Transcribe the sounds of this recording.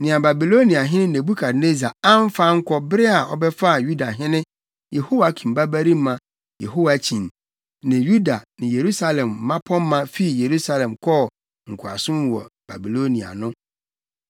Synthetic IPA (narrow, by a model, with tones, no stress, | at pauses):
nɪ̃˨ã˨ba˨bi˨lo˦nĩ˨a˨ɦɪ̃˦nɪ̃˦ne˨bu˦kʰa˨dne˦zi˨a˨a˦m̩˦fa˦ŋ̩˦kʷʰɔ˦bɪ˦ɾɪ˦a˨ʔɔ˨bɛ˦fa˦˨ju˦da˨ɦɪ̃˦nɪ̃˦ | je˨ho˦wa˨˦kʰĩ˨m̩˨ba˦bæ˦ɾi˦m˦mã˨ | jḛ˨ɦo˦wa˨t͡ɕʰĩ˨n | nɪ̃˨ju˦da˨nɪ̃˨je˨ɾu˦sa˦lɛ̃˨mː˨ã˦pʰɔ̃˦mː˦ã˦fi˦˨je˨ɾu˦sa˦lɛ̃˨mkʰɔ˦˨ | ŋ̩˨kʰʊ˨a̰˨sʊ̃˦m˦wɔ̰˨b̥a̰˨bi˨lo˦nĩ˨a̰˨nʊ̃˦